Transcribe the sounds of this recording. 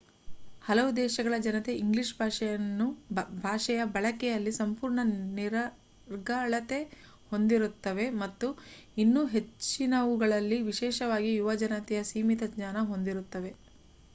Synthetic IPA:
hɐlɐʋud̪ɛːʃɐɡɐɭɐd͡ʒɐnɐt̪eʔiŋɡliʂbʱaːʂɐjɐnːubʱaːʂɛjɐbɐɭɐkɛjɐlːisɐmpuːɾɳɐniɾɐ | ɾɡaɭɐt̪e̞ | ho̞nd̪iɾut̪ːɐʋe̞mɐt̪ːuinːuːɦe̞t͡ʃːinɐʋuɡɐɭɐlːiʋiʃɛːʃɐʋaːɡijuʋɐd͡ʒɐnɐt̪ɛjɐsiːmit̪ɐɲaːnɐɦo̞nd̪iɾut̪ːɐʋe̞

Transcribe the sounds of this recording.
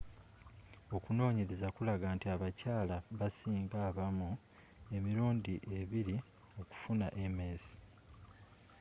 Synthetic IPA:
o̞kuno̞ːɲeɾezakulaɡaːntiaβacaːlaβasiːŋɡaːβamu | e̞miɾuːndiʔe̞βiɾi | o̞ku̥funaʔeme̞ːsi̥

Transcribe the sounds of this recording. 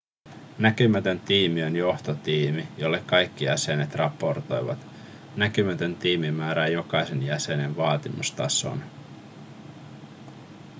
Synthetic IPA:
næk̟ymæt̪ø̞nt̪iːmiønjo̞ht̪ot̪iːmijo̞lːe̞kkɑjkːijæse̞net̪rʔɑpːˑo̞rt̪o̞̰jʋɑ̰t̪ | nækymæt̪ø̞nt̪iːmimæːɾæːjo̞kɑjse̞njæse̞ne̞nʋɑːt̪imust̪ɑ̰so̞̰n

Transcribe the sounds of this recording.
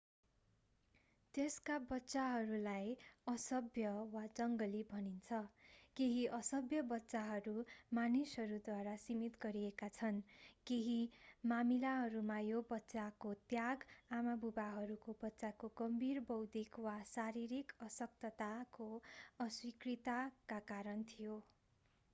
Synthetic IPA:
t̪eskabʌtːsaɦʌɾulajʌsʌbʱjʌwad͡zʌŋɡʌlibʱʌnint͡sʰʌkeɦiʔʌsʌbjʌbʌtːsaɦʌɾumanisɦʌɾud̪waɾasimit̪ɡʌɾiekat͡sʰʌnkeɦimamilaɦʌɾumajobʌtːsakot̪jaɡamabubaɦʌɾukobʌtːsakoɡʌmbʱirbʌwd̪ikwasaɾiɾikʌsʌk̚t̪ʌt̪akoʌswikrit̪akakaɾʌnt̪ʰijo

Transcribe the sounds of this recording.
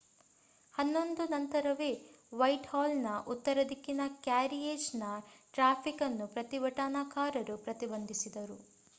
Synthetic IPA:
hɐnːo̞nd̪unɐnt̪ɐɾɐʋeːʋɐjʈhaːlnɐʔut̪ːɐɾɐd̪ikːinɐkjaːɾijeːʃnɐʈɾaːpʰikɐnːupɾɐt̪iʋɐʈaːnakaːɾɐɾupɾɐt̪ibɐnd̪isid̪ɐɾu

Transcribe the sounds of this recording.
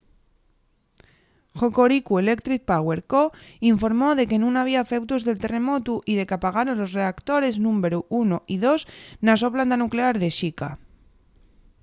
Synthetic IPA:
xoko̞ɾikue̞le̞kt̪ɾit̪̚pawe̞ɾkoiɱfo̞ɾmo̞ðe̞kenũnaβ̞iafe̞wt̪uzðe̞lt̪e̞re̞mo̞t̪uʔiðe̞kapaɣ̞aɾonlo̞sre̞akt̪o̞ɾe̞znũmbeɾuʔunoʔiðo̞snas̬o̞pland̪anukle̞aɾðe̞ʃika

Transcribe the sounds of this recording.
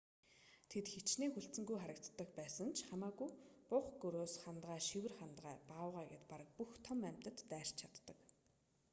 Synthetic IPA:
t̪ʰet̪xet͡ɕneːxuɬt͡sɘ̆ŋɡujχaɾə̆k̚t̪ːə̆kpæːsə̆nt͡ɕʰχamaːɣujpʊχɡɵɾoːsχant̪ʁæːʃiwɘ̆rχant̪ʁæːpaːwʁæːɡet̪paɾə̆k̚puxt̪ʰɔmæm̥ʲt̪ə̆t̪ːæːr̥t͡ɕt͡ɕʰat̪ːə̆k

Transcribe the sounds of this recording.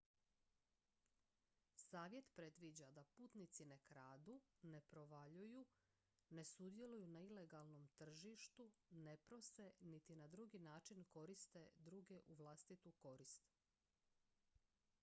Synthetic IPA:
saːʋje̞t̪pɾe̞d̪ʋid͡ʑad̪apuːt̪nit̪sine̞kɾaːd̪une̞pɾo̞ʋaʎuju | ne̞sud̪je̞lujunaile̞ɡalˠno̞mt̪r̩ʒiʃt̪une̞pɾose̞nit̪inad̪ɾuɡinaːt͡ʃinko̞ɾist̪e̞d̪ɾuːɡe̞ʔuʋlˠast̪it̪uko̞ɾist̪

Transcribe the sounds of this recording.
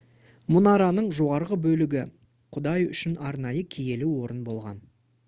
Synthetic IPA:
mʊnɑɾɑnəɴʒo̞ʁɑɾʁəbɵlɪɡʲɪ | qʰʊd̪ɑjʏʃɪnɑɾnɑjəkʲʰije̞lɪwo̞ɾənbo̞lˠʁɑ̰n

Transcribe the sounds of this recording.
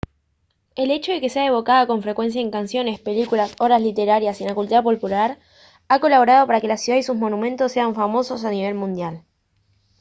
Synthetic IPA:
e̞le̞t͡ʃoðe̞ke̞seaeβo̞kað̞oko̞ɱfɾekwe̞ns̬jaeŋkansjo̞ne̞spe̞likulaso̞ɾaslit̪e̞ɾaɾjasenakult̪uðapolpulaɾ | ako̞laβo̞ɾað̞o̞paɾake̞lasjuðaisuzmo̞nũmẽ̞nt̪osːeaɱfamo̞so̞saniβ̞e̞lmũnd̪jal

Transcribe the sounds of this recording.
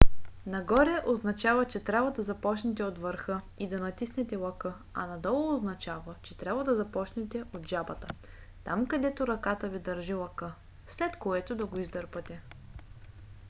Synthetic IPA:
nɐɡɔɾɛʔoznɐt͡ʃavət͡ʃɛt̪ɾʲabvɐd̪ɐzɐpɔt͡ʃnɛt̪ɛot̪vəɾxɤ | id̪ɐnɐt̪isnɛt̪ɛlˠɐkɤ | ɐ̰nɐd̪ɔlˠoːznɐt͡ʃavət͡ʃɛt̪ɾʲabvɐd̪ɐzɐpɔt͡ʃnɛt̪ɛʔod̪ʒabɐt̪ə | t̪amkɐd̪ɛt̪oɾɐkat̪əvid̪ɐɾʒilˠɐkɤ | slɛt̪koɛt̪od̪ɐɡoizd̪ɤɾpət̪ɛ

